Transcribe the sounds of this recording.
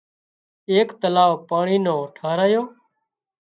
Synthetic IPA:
eːkt̪əlaːʋpaːɳiːnõːʈʰaːɾaːjoː

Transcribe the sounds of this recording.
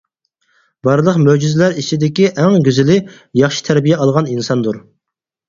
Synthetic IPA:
bɑɾlˠəqmød͡ʒyzlæɾit͡ʃʰid̪ɪkʲiʔæŋɡʲyzɪlɪ | jɑχʃi̥t̪ʰæɾbijɛɑlˠʁɑninsɑnd̪uɾ

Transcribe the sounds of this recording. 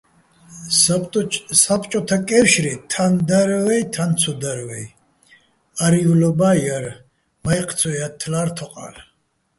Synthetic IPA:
sapʼt͡ʃʼɔt̪ʰakʼɛfʃɾit̪ʰand̪aɾwɛjt̪ʰant̪sʰɔd̪aɾvɛj | aɾivlɔbajaɾ | majq̪ʰʼsʰɔjat̪ʰlaɾt̪ʰɔqʼa̰l

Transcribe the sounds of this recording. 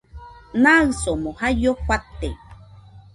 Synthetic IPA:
naɨsomohajoɸʷat̪ːe

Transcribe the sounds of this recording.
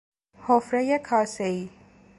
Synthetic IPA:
hofɾejekʰɒːseiː

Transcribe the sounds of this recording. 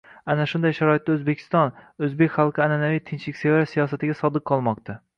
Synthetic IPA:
anaʃʊnd̪ajʃaɾɒɪt̪̚ːaɵzbekʲʰɪ̥st̪ɒnɵzbe̞kʲχɑlˠqʰɨananavijt̪ʰɪnt͡ʃlɪkʲsevasijɒsat̪ɪɡʲasɒd̪ɨq̚qʰːɒlˠmɒqt̪ʰa

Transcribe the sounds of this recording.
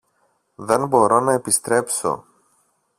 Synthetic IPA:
ðe̞nbo̞ɾo̞nɐepist̪ɾe̞pso̞̰

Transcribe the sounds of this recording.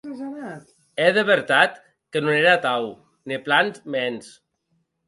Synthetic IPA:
ɛðeβeɾt̪at̪ | kenoneɾat̪aw | niplanzmɛns

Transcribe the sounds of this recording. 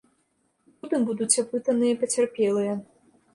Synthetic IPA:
ud̪ɨmbud̪ut͡sʲapɨt̪ɐnɨjɐpɐt͡sʲɛrpʲɛlˠɨjɐ

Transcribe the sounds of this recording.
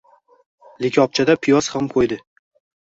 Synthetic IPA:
lɪkʲʰɒp̚t͡ʃʰad̪apʰɪjɒshamkʰojd̪ɪ

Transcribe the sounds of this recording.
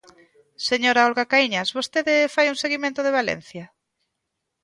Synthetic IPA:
seɲoɾaɔlɣakaiɲasβost̪eðɪfajuŋseɣimẽnt̪oðeβ̞alḛn̟θja

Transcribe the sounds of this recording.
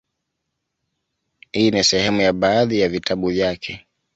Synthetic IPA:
hiːnisɛhɛmujaɓaːðijavitʰaɓuvjakʰɛ

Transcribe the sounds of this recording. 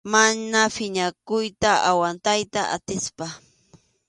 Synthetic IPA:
manafɪɲakʊjt̪aʔawant̪ajt̪aʔa̰t̪ɪspa

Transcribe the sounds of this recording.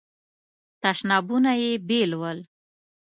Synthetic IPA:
t̪aʃnɑbunajebelwəl

